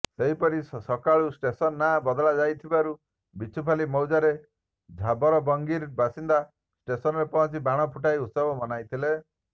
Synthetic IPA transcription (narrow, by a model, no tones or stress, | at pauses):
seɦipɔɾisɔkaɭusʈesɔnːabɔd̪ɔɭad͡ʒajt̪ʰibaɾu | bit͡ʃʰupʰalimɔwd͡ʒaɾe | d͡ʒʱabɔɾɔbɔŋɡiɾbasind̪a | sʈesɔnɔɾepɔɔ̃nt͡ʃibaɽ̃ɔpʰuʈajut̪sɔbɔmɔnajt̪ʰile